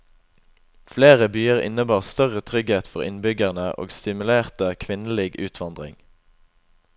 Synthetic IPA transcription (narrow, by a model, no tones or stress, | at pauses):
fleːʁəbyːəʁɪ̰nəbɑːʁst̪œʁət̪ʰʁʏɡheːt̪fɔʁɪ̰nbʏɡæʁnəʔo̰ːɡst̪ɪmʉleːʁt̪əkʰʋɪnl̩iːɡʉːt̪ʰʋɑnd̪ʁɪ̰ŋ